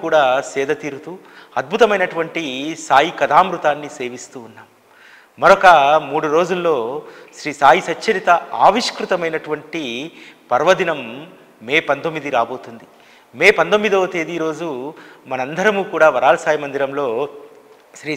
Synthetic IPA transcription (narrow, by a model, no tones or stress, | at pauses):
kuːɽaːsɛːd̪ɐt̪iːɾut̪uː | ɐd̪̚bʱut̪ɐmɐjnɐʈuʋɐɳʈisaːjikɐd̪ʱaːmɾut̪aːnːise̞ːʋist̪uːnːaːmː | ɐɾokɐmuːɽuɾo̞ːd͡ʒulːo̞ːʃɾiːsaːjisɐt͡ʃːt͡ʃːɐlit̪ɐaːʋiʂkɾut̪ɐmɐjnɐʈuʋɐɳʈipɐɾʋɐd̪inɐmː | eːpɐnt̪omːid̪iɾaːbo̞ːt̪und̪i | meːpɐnd̪omːid̪oːt̪eːd̪iɾo̞ːd͡ʒumɐnɐnd̪ɐɾɐmuːkuːɽaːʋɐɾaːlɐsaːjimɐnd̪iɾɐmlo̞ː | ʃɾiː